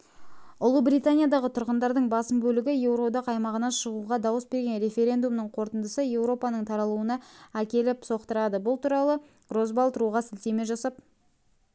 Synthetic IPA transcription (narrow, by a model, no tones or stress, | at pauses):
ʊlˠəbɾit̪anʲijad̪ɑʁət̪ʰʊɾʁənd̪ɑɾd̪əɴbɑsəmbɵlɪɡʲɪje̞wɾo̞d̪ɑqɑjmɑʁənɑʃəʁuʁɑd̪ɑwəsbe̞ɾɡʲe̞nɾe̞fʲe̞ɾʲe̞nd̪umnəɴqʰo̞ɾt̪ənd̪əsəje̞wɾo̞pɑnəɴt̪ʰɑɾɑlˠuənɑækʲe̞lɪpso̞qt̪əɾɑd̪əbʊlˠt̪uɾɑlˠə | ro̞zbɑlˠt̪əɾuʁɑsɪlt̪e̞me̞ʒɑsɑp̚